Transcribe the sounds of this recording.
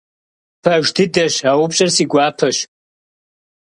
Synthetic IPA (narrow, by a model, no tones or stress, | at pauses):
pʰaʒdɨdaʃawupɕʼarsiɡʷaːpʰaʃ